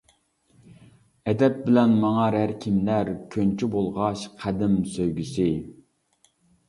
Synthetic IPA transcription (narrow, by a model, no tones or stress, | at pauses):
ɛd̪ɛp̚bɪlɛnmɑŋɑɾæɾkʲʰimlæɾkʲʰønt͡ʃʰybolˠʁɑʃqʰæd̪ɪmsøjɡʲysɪ